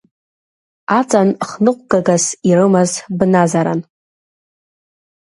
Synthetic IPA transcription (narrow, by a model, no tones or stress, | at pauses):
at͡sʼanχnɨqʷʼɡaɡasirɨmazbnazaɾa̰n